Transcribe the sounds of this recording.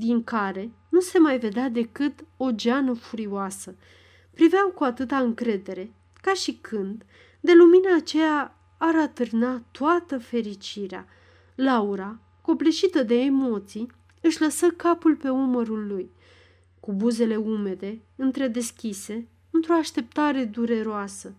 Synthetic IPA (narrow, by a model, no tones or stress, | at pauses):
d̪iŋkaɾe̞nuse̞majve̞d̪ead̪e̞kɨt̪o̞d͡ʒanəfuɾioasə | pɾiveawkuat̪ɨt̪aɨŋkɾe̞d̪e̞ɾe̞ | kaʃikʰɨnd̪ | d̪e̞luminaːt͡ʃejaː | ɾat̪ɨrnat̪oat̪əfe̞ɾit͡ʃiɾea̰ | lauɾa | ko̞pleʃit̪əd̪e̞ːmo̞t̪sij | ɨʃʲləsəkapulpe̞uməɾulːuj | kubuze̞le̞ume̞d̪e̞ɨnt̪ɾe̞d̪e̞skʲise̞ | ɨnt̪ɾo̞aʃt̪e̞p̚t̪aɾe̞d̪uɾe̞ɾoasə